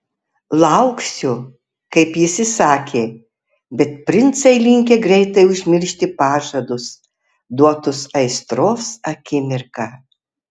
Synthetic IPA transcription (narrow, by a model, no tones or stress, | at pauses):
lˠɐʊksʲʊ | kɐɪpjɪsʲɪsɑːkʲeː | bʲɛt̪̚pʲɾʲɪnt̪sɐɪlʲɪŋʲkʲeɡɾʲɛɪt̪ɐɪʊʒʲmʲɪɾʲʃʲt̪ʲɪpɑːʒɐd̪ʊs | d̪uɔt̪ʊsɐɪst̪ɾoːsɐkʲɪmʲɪɾkɑː